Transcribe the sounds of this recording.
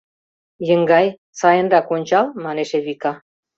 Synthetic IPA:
jəŋɡɑj | sɑjənɾɑkonʲt͡ɕɑlmɑneʃeβikɑ

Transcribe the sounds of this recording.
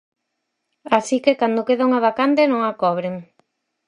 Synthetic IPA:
asikekand̪okeðaŋaβakant̪enõŋakɔβɾeŋ

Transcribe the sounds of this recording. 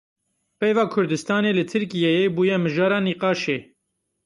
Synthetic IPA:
pɛjvɑːkʰʊɾd̪ɨst̪ɑːneːlɨt̪ʰɨɾkijejebuːjɛmɨʒɑːɾɑːniːqɑːʃeː

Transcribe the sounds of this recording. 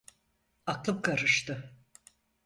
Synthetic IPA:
aklˠɯp̚kʰaɾɯʃt̪ɯ

